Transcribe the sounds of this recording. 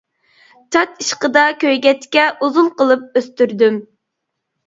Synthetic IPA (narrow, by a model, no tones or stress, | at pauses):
t͡ʃʰɑt̪iʃqəd̪ɑkʲʰøjɡʲɛt̪kʲɛʔuzunqəlˠɨp̚øst̪yɾd̪ym